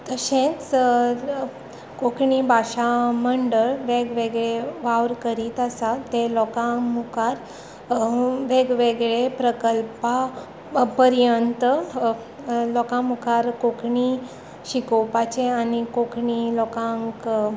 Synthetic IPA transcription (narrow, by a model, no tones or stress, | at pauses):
t̪əɕẽt͡s | kokʰɳibʱaɕaməɳɖəɭʋeɡʋeɡɭeʋaʋɾkəɾiːt̪asat̪elɔkamukaɾ | ʋeɡʋeɡɭepɾəkəlpa | pəɾjənt̪ə | lɔkãmukaɾkokʰɳi | ɕikopat͡ɕeanikokɳilɔkãŋk